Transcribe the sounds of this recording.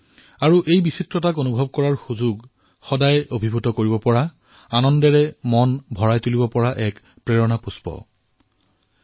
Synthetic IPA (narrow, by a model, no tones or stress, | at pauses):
aɹuʔejbisitɹɔtakonubʱɔb̚kɔɹaɹxuzuɡ | xɔdajobʱibʱutɔkoɹibɔpɔɹa | anɔndɛɹɛmɔnbʱɔɹajtulibɔpɔɹaʔɛk | pɹeɹɔnapuspɔ̰